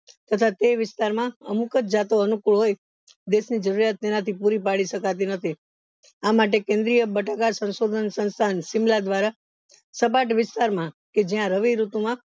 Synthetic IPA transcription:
t̪ət̪ʰat̪eʋɪst̪aɾmãə̰mukətd͡ʒat̪oənukuɭɦoj | d̪eʃnid͡ʒəɾuɾjat̪̚ːenat̪ʰipuɾipaɭiʃəkat̪̬inət̪ʰi | amaʈ̬ekẽnd̪ɾijəbəʈakasə̃nsod̪ʱənsə̃nst̪ʰansɪmlad̪ʋaɾa | səp̬aʈʋɪst̪aɾmãked͡ʒjãɾəʋiɾut̪umã

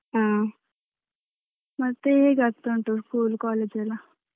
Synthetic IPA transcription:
ɦã | məɡ̚t̪eɦeɡʱat̪t̪oɳʈ̪oskuːlkɔled͡ʑela

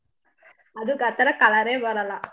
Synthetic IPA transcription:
ɐd̪uɡɐt̪ːɐɾɐkɐlɐɾeːbɐɾɐlːɐ

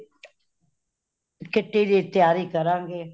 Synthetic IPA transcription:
kɪʈːiːɾiːt̪ɪjaːɾiːkəɾãːɡeː

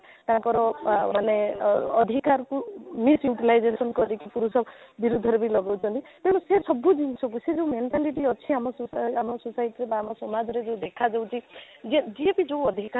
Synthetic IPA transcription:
t̪ãkɔɾɔmaneːd̪ʱikaɾkumisjuʈilajd͡ʒesɔnkɔɾikʰipuɾusɔbiɾud̪ʱɔɾebilɔɡawt͡ʃʰɔnt̪ip̪eɽɔ̃sesɔbud͡ʒinsʰɔk̬used͡ʒewmeɳʈaliʈiɔt͡ʃʰiamɔsusamɔsusajiʈiɾebaːmɔsɔmad͡ʒɔɾed͡ʒew̃d̪ekʰad͡ʒew̃t͡ʃʰi | d͡ʒed͡ʒiepid͡ʒeɔd̪ʱika

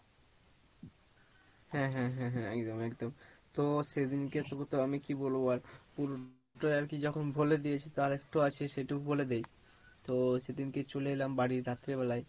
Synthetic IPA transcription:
hɛ̃ɦɛ̃ɦɛ̃ɦɛ̃ɛkd̪omɛkd̪omt̪osed̪inket̪ot̪oamikiboloaɾpuɾo | ʈoeaɾkid͡ʑɔkʰonbʱoled̪ijet͡ɕʰet̪oaɾek̚ʈoat͡ɕʰeʃeʈubʱoled̪ej | t̪osed̪inket͡ɕoleelambaɽiɾɾat̪ːɾeβɛlaj

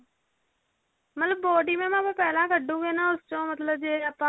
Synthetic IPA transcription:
mət̪ləbːɔːɖiːmẽːmãːpə̃pɛːlãːkəɖːũɡeːnãːʊst͡ʃõːmət̪ləb̚d͡ʒeːəpa

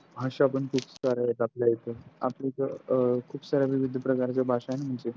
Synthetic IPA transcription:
bʱaɕaːpəɳkʰuːpsaɾajet̪apljajet̪əa̰plekakʰuːpsaɾjaʋiʋid̪ʱəpɾəkaɾt͡ɕabʱaʂaenam̤əɳd͡ze

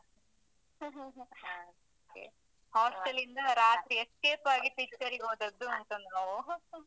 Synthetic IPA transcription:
oːkḛ | haːsʈɐlind̪ɐɾaːt̪ɾieskeːpaːɡipikt͡ʃɐɾiɡoːd̪ɐd̪ːuɐnt̪ɐnɐnɐ

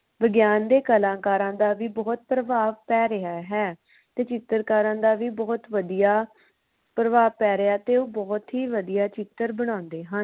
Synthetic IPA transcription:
ʋəɡjaːnd̪eːkəlãːkaːɾãːd̪aːʋiːbɔːt̪̚pɾəʋaːʋpɛːɾɪaːɦɛː | t̪eːt͡ʃɪt̪ːəɾkaːɾãːd̪aːʋiːbɔːt̪ʋəd̪ijaː | pɾəʋaːʋpɛːɾɪaːt̪eːoːbɔːt̪ɦiːʋəd̪ijaːt͡ʃɪt̪ːəɾbəɽ̃ãːnd̪eːɦən

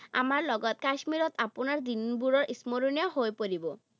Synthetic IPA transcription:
a̰maɾlɔɡɔt̪̚kaʃmiɾɔt̪aponaɾd̪inbuɾɔɾʔismoɾuniɔɦojpoɾibo

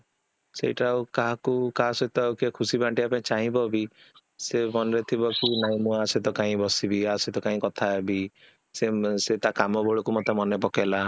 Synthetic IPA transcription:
sḛjʈawkaɦakukasɔjt̪ɔawkekʰusibʱãɳʈiapẽẽt͡ʃaɦĩbɔbi | semɔnɾet̪ʰibɔkunaɦĩmũaset̪ɔkaĩbɔsibiaset̪ɔkaɦĩkɔt̪ʰaebi | seset̪akamɔbɔɭɔkumot̪emɔnepɔkela

